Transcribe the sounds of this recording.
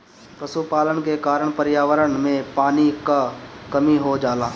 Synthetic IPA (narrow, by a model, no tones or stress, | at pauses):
pɾɐsupaːlənkekaːɾəɳ̃pəɾjaːʋəɾəɳmẽpaːnikakɐmiɦod͡ʒaːlaː